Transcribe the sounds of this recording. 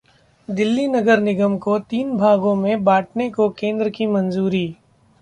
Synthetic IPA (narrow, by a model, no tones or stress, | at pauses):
d̪ɪlːinɐɡəɾnɪɡəmkot̪iːnbʱaːɡõmẽbaːʈnekokẽːnd̪ɾəkimɐ̃nzuːɾiː